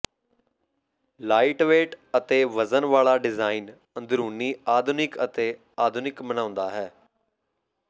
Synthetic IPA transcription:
laːɪʈʋeːʈət̪eːʋəzənʋaːlaːɖɪzaːin | ənd̪ɾuːniːaːd̪ʱʊnɪkət̪eː | aːd̪ʱʊnɪkmənãːʊ̃nd̪aːɦɛː

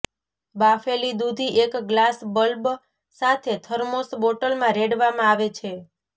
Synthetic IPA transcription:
bafelid̪ud̪ʱiʔekɡlasbəlb | sat̪ʰet̪ʰəɾmosboʈəlmãɾeɽʋamãaʋet͡ʃʰe

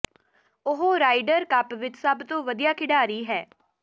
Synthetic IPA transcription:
ʊɦoːɾaːɪɖəɾkəpʋɪt͡ʃsəbt̪õːʋəd̪ijaːkʰɪɖaːɾiːɦɛː

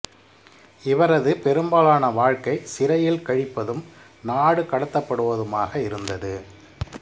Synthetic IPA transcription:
ɪʋɐɾɐðɯpɛɾɯmbaːlaːnɐʋaːɻkɐɪsɪɾɐjɪlkɐɻɪpːɐðɯm | naːɽɯkɐɽɐt̪ːɐpːɐɽɯʋɐðɯmaːɣɐɪɾɯnd̪ɐðɯ

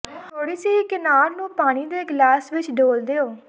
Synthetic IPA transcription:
t̪ʰoːɽiːsiːkɪnaːɾnũːpaːɽ̃iːd̪eːɡlaːsʋɪt͡ʃɖoːld̪eːoː

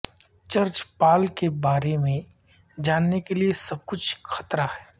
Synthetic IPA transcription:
t͡ʃɐɾt͡ʃpaːlkebaːɾemẽ | d͡ʒaːnːekeliesɐb̚kʊt͡ʃʰxɐt̪ɾahɛː

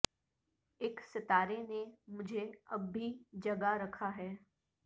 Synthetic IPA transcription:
ɪksɪt̪aːɾenemʊd͡ʒʱeɐbːid͡ʒɐɡaɾɐkʰaɦɛː

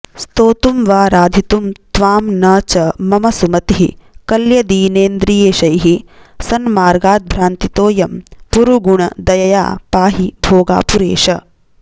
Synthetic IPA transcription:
st̪oːt̪umʋaːɾaːd̪ʱit̪umt̪ʋaːmnɐːt͡ʃɐmɐmɐsumɐt̪iɦikɐljɐd̪iːneːnd̪ɾijeːʃɐjɦisɐnmaːɾɡaːt̪̚bʱɾaːnt̪it̪oːjɐmpuɾuɡuɳɐd̪ɐjɐja̰ːpaːɦibʱoːɡa̰ːpuɾḛːʃɐ

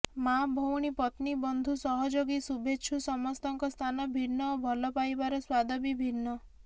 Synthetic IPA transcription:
mabʱɔwɽ̃ipɔt̪nibɔnd̪ʱusɔɦɔd͡ʒoɡisubʱet͡ʃʰusɔmɔst̪ɔŋkɔst̪ʰanɔbʱiɾnɔobʱɔlɔpajbaɾɔswad̪ɔbibʱiɾnːɔ

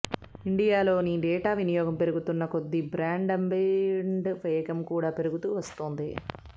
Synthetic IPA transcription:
iɳɖijaːlo̞ːniɖɛːʈaːʋinijɔːɡɐmpe̞ɾuɡut̪unːɐkod̪ːibɾaːɳɖɐmbeɳɖpeːkɐmkuːɽaːpe̞ɾuɡut̪uːʋɐst̪oːnd̪i

